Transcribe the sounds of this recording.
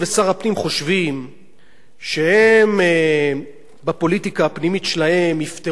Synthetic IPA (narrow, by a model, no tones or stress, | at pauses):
vesaʁapnimχo̞ʃvim | ʃe̞heme | bapo̞litikaːpnimitʃelahe̞mift̪e